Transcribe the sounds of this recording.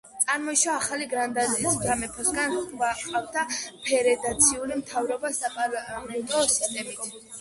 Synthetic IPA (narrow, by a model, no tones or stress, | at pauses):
t̪sʼaɾmɔiʃwaːχaliɡɾand̪azisd̪amɛpʰɔsɡanvaqʼavd̪apʰɛɾɛd̪at̪sʰiulimt̪ʰavɾɔbasapʼalɛt̪ʼɔsi̥st̪ʼɛmit̪ʰ